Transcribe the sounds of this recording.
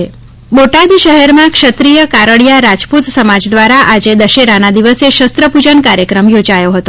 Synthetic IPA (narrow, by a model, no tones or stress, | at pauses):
boʈad̪iʃəɦɛɾmãkʃət̪ɾijəkaɾəɭijaɾad͡ʒput̪səmad͡ʒd̪ʋaɾaʔad͡ʒed̪əʃeɾanad̪iʋəseʃəst̪ɾəpud͡ʒənkaɾjəkɾəmjod͡ʒajoɦət̪o